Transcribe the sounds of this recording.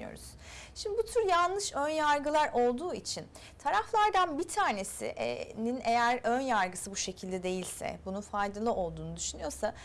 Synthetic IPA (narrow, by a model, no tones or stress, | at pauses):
jo̰ɾṵz̥ | ʃimd̪ibut̪ʰyɾjanlˠɯʃønjaɾɡɯlˠaɾʔo̞lˠd̪uːit͡ʃʰin | t̪ʰaɾaflˠaɾd̪anbit̪ʰaːne̞sḭʔnine̞jæɾønjaɾɡɯsɯbuʃe̞cʰilʲd̪ɛd̪e̞jilʲsɛ̰bununfajd̪alˠɯʔo̞lˠd̪uːnud̪yʃynyjo̞ɾsa